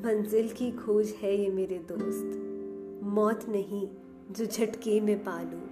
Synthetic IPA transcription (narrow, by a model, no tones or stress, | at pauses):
mɐ̃nzɪlkikʰoːd͡ʒhɛjemeːɾed̪oːst̪ | mɔːt̪nɐɦĩ | d͡ʒoːd͡ʒʱɐʈkemẽpaːlũː